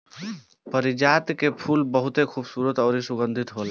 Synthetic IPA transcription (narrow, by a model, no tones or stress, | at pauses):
pəɾid͡ʒat̪kepʰulbəɦut̪ekʰubsuɾət̪ɔːɾisuɡənd̪ʱit̪ɦol